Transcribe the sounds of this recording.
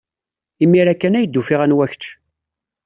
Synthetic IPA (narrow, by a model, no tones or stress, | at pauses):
imːiɾækːænæjəd̪ːufiʁænwæçt͡ʃ